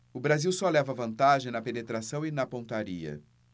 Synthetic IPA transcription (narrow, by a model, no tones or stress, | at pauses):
ʊbɾaziwsɔlɛvɐvɐ̃nt̪aʒẽj̃nɐpenet̪ɾasɐ̃w̃inɐpõt̪aɾiɐ̰